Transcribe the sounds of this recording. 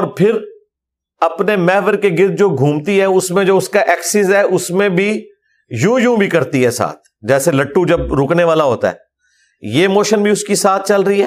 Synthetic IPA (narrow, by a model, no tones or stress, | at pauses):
ɔːɾpʰɪɾ | ɐpnemɛːʋəɾkeɡɪɾd̪̚d͡ʒoːɡʱũːmt̪iɦɛʊsmẽd͡ʒoːʊskaʔɛːksɪzɦɛːʔʊsmẽbʱi | jũːjũːbʱikɐɾt̪iɦɛsa̰ːt̪̚ʰd͡ʒɛːselɐʈːud͡ʒɐb̚ɾʊːkneʋaːlaɦoːt̪a̰ɦɛ̰ː | jemoːʃənbʱiʊskisaːt̪̚ʰt͡ʃɐlɾəiɦɛː